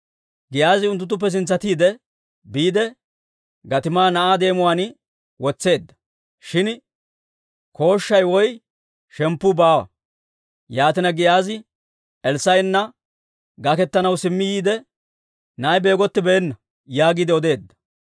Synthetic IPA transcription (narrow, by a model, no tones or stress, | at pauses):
ɡɪjaːzɪʊnt̪ːʊt̪̬ːʊp̬ːɛs̬ɪnt͡sːɐt̪iːd̪ɛ | biːd̪ɛ | ɡɐt̪ɪmaːnɐʔaːd̪e̞ːmʊwaːn | wɔt͡sːe̞ːd̪ːɐ̥ | ʃɪn | kʰo̞ːʃːɐjwɔj | ʃɛmpːʊbaːwɐ̰ | jaːt̪ɪnɐɡɪjaːzɪ | ɛlsɐjnːɐ | ɡɐkɛt̪ːɐnɐwsɪmːɪjiːd̪ɛ | nɐːjbe̞ːɡɔt̪ːɪbɛːnːɐ | jaːɡid̪ɛɔd̪e̞ːd̪ːɐ̥